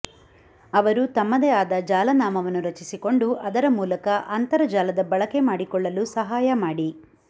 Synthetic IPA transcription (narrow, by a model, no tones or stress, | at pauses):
ɐʋɐɾut̪ɐmːɐd̪ɛaːd̪ɐd͡ʒaːlɐnaːmɐʋɐnːuɾɐt͡ʃisiko̞ɳɖuʔɐd̪ɐɾɐmuːlɐkɐʔɐnt̪ɐɾɐd͡ʒaːlɐd̪ɐbɐɭɐkemaːɽikɔɭːɐlusɐɦaːjɐmaːɽi